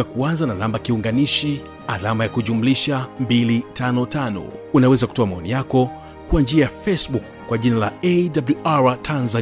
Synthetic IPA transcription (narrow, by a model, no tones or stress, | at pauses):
akuanzananambakiuŋɡaniʃi | alamajakuʄumuliʃambilitanɔtanɔ̰unawɛzaku̥tɔamaɔnijakɔ | kuand͡ʒiajafɛsɓukːwaʄinalaɛdabluʔaɹatʰanza